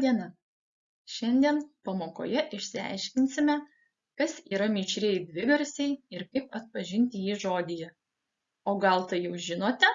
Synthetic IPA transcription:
d̪ʲiɛnɐ | ʃʲɛnʲd̪ʲiɛnpɐmoːko̰ːjɛʔɪʃʲsʲɪæ̰ɪʃʲkʲɪnʲsʲɪmʲɛ | kɐsiːɾɐmʲɪt͡ʃʲɾʲejd̪ʲʋʲɪʋʲɛɾʲsʲɛɪɪɾkɐɪpɐt̪̚pɐʒʲɪnʲt̪ʲɪjiːʒoːd̪ʲɪjɛ | oːɡɐlˠt̪ɐɪjɛʊʒʲɪnoːt̪ʲɛ

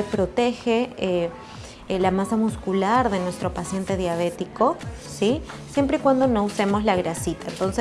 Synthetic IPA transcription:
epɾo̞t̪e̞xee | lamasamuskulaɾðe̞nwe̞st̪ɾo̞pasje̞nt̪e̞ð̞jaβ̞e̞t̪iko̞ | sisje̞mpɾeikwand̪o̞no̞use̞mo̞zlaɣɾasit̪aent̪o̞nse

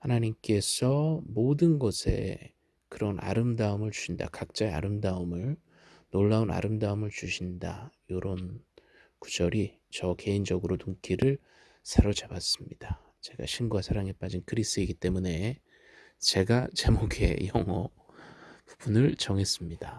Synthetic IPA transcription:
hanaɲimk͈e̞sʰʌmodɯnɡʌsʰe̞̰ | kɯɾʌnʔa̰ɾɯmdaɯmɯɭt͡ɕu̥ɕʰinda̰kak̚t͡ɕ͈aea̰ɾɯmdaɯmɯɭ | noɭːauna̰ɾɯmdaɯmɯɭt͡ɕuɕʰinda̰joɾʌn | ku̥d͡ʑʌɾi | t͡ɕʌke̞ind͡ʑʌɡɯɾotuŋkʰiɾɯɭ | sʰaɾʌd͡ʑabas͈ɯmɲid̥a | t͡ɕe̞ɡa̰ɕʰinɡuasʰaɾaŋep͈ad͡ʑinkʰɯɾis͈ɯiɡit͈e̞mune̞ | t͡ɕe̞ɡat͡ɕemoɡʰe̞̰jʌŋʌ | pub̥unɯɭt͡ɕʌŋe̞s͈ɯmɲid̥a

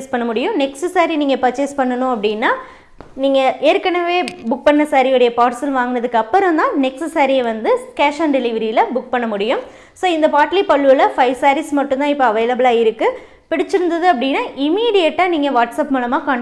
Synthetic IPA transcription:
spɐɳːɐmʊɽɪjʊ̃nɛksɯsaːɾiniːŋɡɐpɐt͡ʃːespɐɳːɐnʊ̃ɐpːɐɽɪnːaː | niːŋɡɐʔeːɾkːɐɳɐʋeːbʊk̚pɐɳːɐsaːɾijɔɽɐjɐpaːɾsɐlʋaːŋɡɯnɐðɯkːɐpːɯɾɯ̃md̪ãːnɛksɯsaːɾijɛʋɐnd̪ɯkaːʂaːnɖɛlɪʋɐɾiɪlɐbʊk̚pɐɳːɐmʊɽɪjɯ̃m | soːɪnd̪ɐpaːʈlipɐɭːɯlɐfɐɪʋsaːɾismɐʈːʊ̃nãːɪpːoɐʋɐɪlɐbɯlaːɪɾɯkːɯ | pɪɽɪt͡ʃːɪɾɯnd̪ɐðɯɐp̬ːɐɽɪnːaːʔɪmiːɽɪjɛʈːaːniːŋɡɐʋaːʈsɐpmulɐmaːkaːɳ

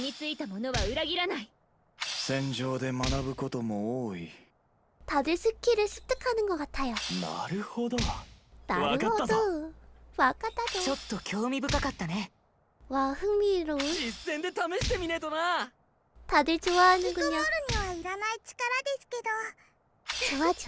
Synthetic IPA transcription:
ɲ̟it͡sɨit̪amo̞no̞βaɯ̟ɾaɡʲiɾanai | sẽ̞ɲ̟d͡ʑo̞ːd̪e̞manabɯ̟ko̞t̪o̞mo̞oːi | t̪ad̪esɨkʲːiɾesɨ̥t̪ːokanɯɡoɡat̪ʰajana̰ɾɯ̟hod̪ona̰aɯod̪o | βakat̪ːat̪ot͡ɕo̞t̪ːo̞kʲo̞ːmʲibɯ̟kakat̪ːane | waɸɯmiɾoisːẽ̞nd̪e̞t̪ame̞ɕi̥t̪e̞mʲinet̪ona | t̪ad̪ɯt͡ɕoβanɯɡɯɲaɯɲiβaiɾanait͡ɕi̥kaɾad̪e̞sɨ̥ke̞d̪o | t͡ɕoa

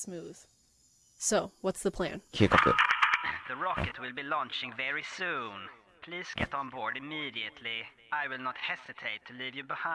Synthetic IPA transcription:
smʉð̥ | soʊwʌtsðəpʰl̥æ̰̃nkʰʉkʰɔkʊ̰ðɨɹɑkɨtwɪlˠbilɔ̃nt͡ʃɪ̃ŋvɛɹisũn | pʰl̥iːz̥ɡɛɾn̩bɔɹdɨmiːɾiɨtʰli | aɪwɪlˠnət̚hɛsɨtʰeɪtʰːɨlivjɨbɪhã

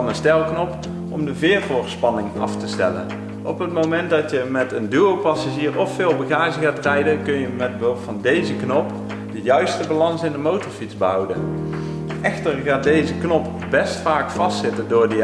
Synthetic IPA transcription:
nənstɛlˠknɔp | ɔmdəvɪːɹvʊːrspɑnɪŋɑ̰ftəstɛlə̰n | ʔɔpɦət̚mowmɛnt̚dɑtjəmɛtəndyowpɑsaːʒiːrɔfːɪːlˠbəɣaːʒəɣaːtrɛjdəkɵnjəmɛt̚bəɦɵlˠffɑndejzəknɔp | d̥əjœɥstəbalɑnsɪndəmowtɔɹfitzbəɦɑwdə̰n | ʔɛxtərɣaːt̚dejzəknɔp | bɛstfaːkfɑstsɪtəndʊːɹdi

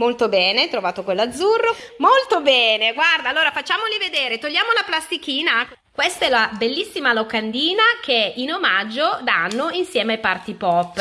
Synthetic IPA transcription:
molt̪obɛːnet̪ɾovaːt̪okwelːad̪zːurːomolt̪obɛːneɡward̪aːlːoːɾafat͡ʃːaːmolived̪eːɾet̪oʎːaːmolaplast̪ikiːna | kwest̪ɛlabelːisːimalokand̪iːnakeinomad͡ʒːod̪anːoinsjɛːmepart̪ipɔpː

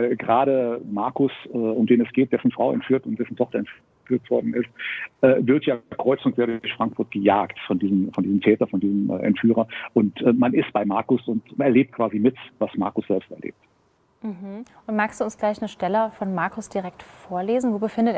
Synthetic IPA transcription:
aɪlɡəʁaːɾəmaɐkʊsɛːʊmdeːnɛsɡ̥eːt̚d̥ɛsn̩fʁ̥aʊɛ̰ntfyːɐtʊntd̥ɛsn̩tʰɔχtɐɛntf | yːɐtv̥ɔɐdn̩ɪstʔɛːvɪɐtjaːɐkʁ̥ɔʏt͡sʊŋkv̥eːɐdʊɐçfʁ̥aŋkfʊɐtɡ̥əjaːktfɔndiːzəmfɔndiːzmtʰɛːtɐfɔndiːzəmʔə̰ʔɛ̰ntfyːʁɐʔʊntʔɛːmanɪst̚b̥aɪmaɐkʊsʊntʔɛɐleːp̚t̚kv̥aːzimɪtvasma̰ɐkʊsz̥ɛlpstɛɐlḛːp̚t | m̩ɦm̩ | ʊntmaːkstd̥uːʊnsɡ̥laɪçnəʃtɛləfɔnmaɐkʊsd̥iʁɛktfoːɐleːzn̩voːbəfɪndət

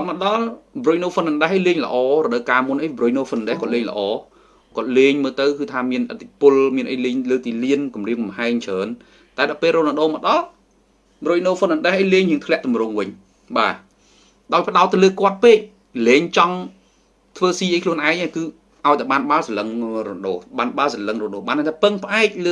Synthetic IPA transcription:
kt̪̚məɗɑlbrujnoːfənənɗɛɦʔəjleːŋlə̰̆ʔɑːrɔɗəwkaːmʊnʔəjbrujnoːfət̪nnɗɛhkŏət̪̚leːŋlə̰̆ʔɑː | kŏət̪̚leːɲməːlt̪ɨwkɨːt̪ʰaːmiənʔət̪ʰːipʊlmiənʔəjleːɲləːk̚t̪iːliənkumriəŋkɑmhaɛŋt͡ɕʰəːn | t̪aɛɗɑpeːlroːlnməɗoːmə̆ɗɑl | ɓrojnoːfətnənɗɛhʔəjleːŋjiɨəŋt̪ʰlɛ̆əʔt̪umrʊŋʋɨɲ | ɓaː | ɗaɔjpə̆ɗaɔt̪̚ːɨwləːkŏət̪̚peːk̚ | leːɲt͡ɕɑŋ | t̪ʰʋəːsiːʔəjkʰluənʔaɛŋʔaːkɨː | ʔaɔjt̪aɛɓaːnɓaːlsaləŋroɗoːɓaːnɓaːlsaləŋroɗoːɓaːnət̪ʰaːpɨŋpə̆ʔaɛk̚ləː

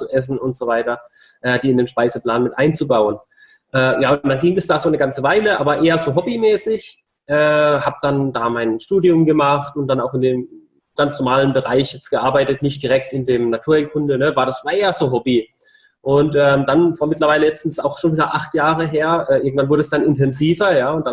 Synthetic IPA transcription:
t͡suʔɛs̬n̩ʊntz̥ovaɪtɐʔɛːdiːɪndeːnʃpaɪzəpl̥aːnmɪtʔaɪnt͡subaʊən | ʔɛːjaːʊnnd̥anɡɪŋɛsd̥aːzoːnəɡant͡səvaɪləʔa̰ːbɐʔeːɐzoːɦɔbimɛːsɪç | ʔɛːhaːb̚d̥andaːmaɪnʃtuːdiʊmɡəmaχtʊnt̚d̥anaʊxɪndeːm | ɡ̥ant͡snɔɐmaːlənbəʁaɪçjɛt͡st̚ɡ̥əʔaɐbaɪtətnɪçt̚d̥iʁɛk̚tɪndeːmnatʰuːɐɛŋkʰʊndənəvaːɐɾasvaːɐʔeːɐz̥oːɦɔbi | ʔʊntʔɛːmd̥anfaːɐmɪtlɐvaɪləjɛt͡sn̩sa̰ʊxʃoːnviːdɐʔaχtjaːʁəɦeːɐʔɛːʔɪɐɡŋ̩tv̥anvʊɐdəɛsd̥anɪntʰɛnziːvɐjaːʊntd̥a

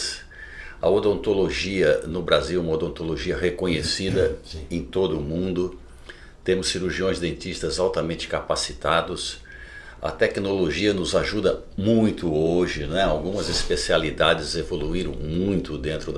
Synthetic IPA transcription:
s | ɐ̰od̪õnt̪oloʒiɐnʊbɾaziwũmɐod̪õnt̪oloʒiɐɦekõɲesid̪ɐẽj̃t̪od̪ʊːmũnd̪ʊ | t̪ẽmʊsːiɾuɾʒiõj̃zd̪ẽnt͡ʃ̪ist̪ɐzawt̪ɐmẽnt͡ʃɪ̥kapasi̥t̪ad̪ʊs | ɐ̰t̪ɛknoloʒiɐnʊzaʒud̪ɐ | mũj̃t̪ʊoʒɪñɛawɡũmɐzespesialid̪ad͡ʒɪzevoluiɾɐ̰̃w̃mũj̃t̪ʊd̪ẽnt̪ɾʊd̪

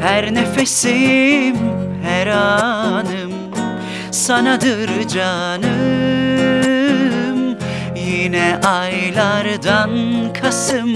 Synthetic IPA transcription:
hæɾnefesim | hɛɾanɯm | sanad̪ɯɾd͡ʒa | nɯ | m | jinɛʔajlˠaɾd̪ankʰasɯm

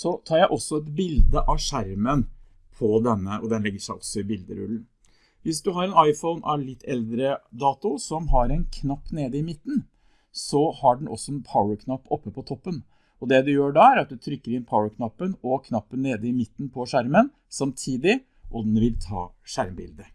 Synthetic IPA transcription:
sɔt̪ʰɑːɾjæɪʔɔsːɔɛt̪bɪld̪əʔɑʂæɾmən | pʰɔd̪ɛnːəʔɔd̪ɛnlɛɡːəʂæɪʔɔsːɔɪbɪld̪ə̰ɾʉ̰lːn̩ | ʋɪsd̪ʉɦɑɾɛnɑɪfɔʊnʔɑ̰ʋlɪt̪ːɛld̪ɾəd̪ɑːt̪ʊsɔmɦɑɾɛnkʰnɑpːneːd̪əɪmɪt̪ːn̩ | sɔhɑɖɛn̩ʔɔ̰sːɔɛnpʰaʊəɾkʰnɑpːɔpːəpʰɔt̪ʰɔpːən | ɔd̪ɛd̪ɛjøːɖɑæɾɑt̪̚d̪ʉt̪ʰɾʏkːəɾɪnpʰaʊəɾkʰnɑpːənɔkʰnɑpːənːeːd̪əɪmɪt̪ːn̩pʰɔʂæɾmən | sɑmt̪ʰiːd̪ɪ | ʔɔd̪nʋɪlt̪ʰɑ̰ːʂæɾmbɪ̰ld̪ə

